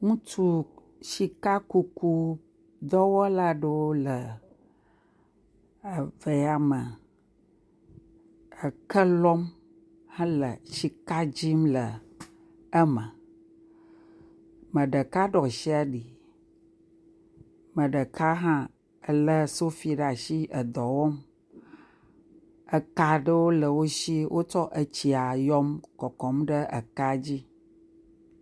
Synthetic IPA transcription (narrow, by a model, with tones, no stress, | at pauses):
ŋũ˦t͡ʃu˦ | ʃi˨ka˦ku˦ku˦ | d̪ɔ˦wɔ˦la˦ɖə˦wo˦lə˨ | ve˨a˨mə˨ | ə˨kə˦lɔ˦m | hã˦lə̰˨ʃi˨ka˦d͡ʑi˦mlə˨ | ə˦mə̃˨ | mə̃˨ɖə˨ka˦ɖɔ˨ʃi˦a˨ɖi˨ | mə̃˨ɖə˨ka˦ɦã˦ | ə˨lə˦so˦fi˨˦ɖa˨ʃi˦ʔə˨d̪ɔ˨wɔ˦m | ə˨ka˨ɖə˦wo˦lə˨wo˦ʃi˦wʔo˦t͡ʃɔ˦ʔə˨t͡ɕi˨a˨jɔ˦mkɔ˨kɔ˨˦mɖə˦ʔə̰˨ka˦d͡ʑi˦